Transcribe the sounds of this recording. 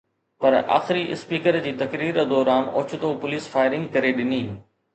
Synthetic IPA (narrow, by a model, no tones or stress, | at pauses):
pɐɾa̰ːxɪɾiʔɪ̰spiːkəɾd͡ʑiːt̪ɐkɾiːɾd̪ɔːɾaːnoːt͡ɕʰʊt̪opʊliːsfaːɪɾɪ̃ŋɡkɐɾeɗɪniː